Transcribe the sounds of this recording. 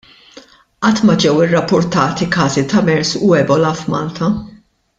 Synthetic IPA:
ʔɐt̪ːmɐd͡ʒɛwɪrːɐpːʊɾt̪ɐːt̪ikɐːzit̪ɐmɛɾsʊɛbɔlɐfmɐːlt̪ʰɐ

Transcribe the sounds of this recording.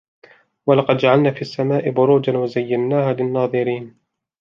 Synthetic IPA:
walɑqɑd̪̚d͡ʒaʕalnaːfiːʔasːamaːʔɪbʊɾuːd͡ʒanwazajːanːaːhaːlɪnːɑːðˤɨɾiːn

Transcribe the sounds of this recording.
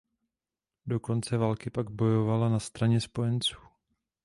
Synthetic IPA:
do̞ko̞nt͡sɛvalkɪpaɡbo̞jo̞valanast̪ɾaɲɛspo̞jɛnt͡suː

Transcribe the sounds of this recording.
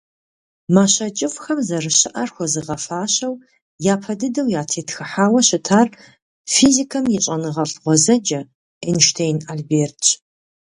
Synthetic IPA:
maːɕɐt͡ʃʼɪfxɐmzɐrɨɕɪʔɐrxʷɔzɨʁɐfaːɕɐw | jaːpʰɐdɨdɐwjaːtʰeːtxɨħaːwɐɕɪtʰaːr | fiːzikʰɐmjɪɕʼɐnɨʁɐɬʁʷɔzɐd͡ʒɐ | ɛnʃtʰeːjnaːlbeːrt

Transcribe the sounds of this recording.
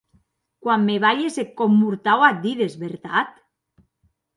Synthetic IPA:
kwamːeβaʎesekːomːuɾt̪awat̪̚d̪iðezβeɾt̪at̪

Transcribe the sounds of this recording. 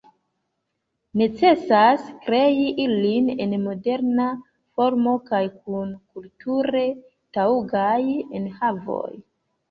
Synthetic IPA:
ne̞t͡se̞saskɾe̞iʔiline̞̰nmo̞de̞ɾna | fo̞ɾmo̞kajk̚unkultuɾe̞ | tauɡajenhavo̞̰j

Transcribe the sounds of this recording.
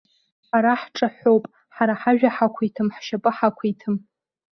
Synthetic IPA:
ħaɾaħʈ͡ʂʼaħʷowpʼ | ħaɾaħaʒᶣaħakʷʰijtʰɨmħʃapʼɨħakʷʰijtʰɨm

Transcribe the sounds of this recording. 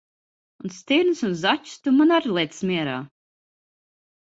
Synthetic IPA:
unst̪iɾnsunzat͡ʃu̥st̪umanaɾlˠɛt̪smiɛɾa̰ː

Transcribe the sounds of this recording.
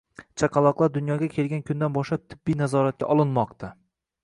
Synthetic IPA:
t͡ʃʰaqʰɑlˠɒqlˠaɾd̪ʊnjɒɡʲakʲʰe̞lɡʲankʲʰʊnd̪anbɒʃlˠap̚t̪ʰɪbːijnazɒɾat̪̚kʲa̰ʔɒlˠɪnmɒqt̪ʰa

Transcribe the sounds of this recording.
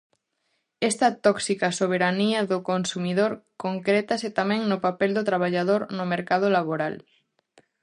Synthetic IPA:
est̪at̪ɔksikasoβ̞eɾaniaðokonsumiðoɾkoŋkɾet̪aset̪amẽŋnopapeld̪ot̪ɾaβ̞aʎað̞oɾnomeɾkað̞olaβ̞oɾal

